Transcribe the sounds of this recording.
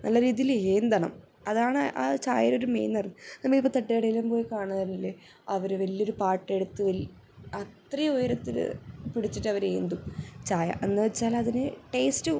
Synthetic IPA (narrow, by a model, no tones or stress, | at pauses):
nʔɐlːɐɾiːðijileːnd̪ɐɳɐ̰m | ɐðaːɳɨʔa̰ːt͡ɕaːjɐɾo̞ɾumḛjnːɐrɐnːɨnɐmːɐɭipːot̪ɐʈːeːɽɐjilɐmpo̞ːjikaːɳɐðɐnɐlːe | ɐʋɐɾɨʋɐlːiːo̞ɾupaːʈːe̞ɽut̪ːɨʋɐl | ɐt̪rɐjɐojɐɾɐt̪ːiɾɨ̰piɽit͡ɕːiʈːɐʋɐɾeːnd̪umt͡ɕaːjɐ̰ʔenːɨʋɐt͡ɕːaːlɐðinɨʈe̞ːstɨ